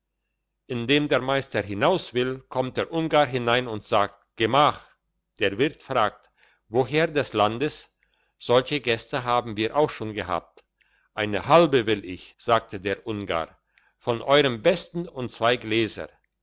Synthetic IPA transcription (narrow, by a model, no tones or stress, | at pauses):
ʔɪndeːmdeːɐmaɪstɐɦɪnaʊsv̥ɪlkʰɔmt̚d̥eːɐʔʊnɡaːɦɪnaɪnʊntz̥aːk̚t̚ɡ̥əmaːχ | d̥eːɐvɪɐtfʁ̥aːk̚t | voɦeːɐdɛslandəs | z̥ɔlçəɡɛstəɦaːbm̩viːɐʔaʊxʃoːnɡəɦa̰ːp̚t | ʔaɪnəhalbəvɪlɪçz̥aːk̚tʰədeːɐʔʊnɡa̰ː | fɔnʔɔʏʁəmbɛstn̩ʊntt͡sv̥aɪɡleːzɐ̰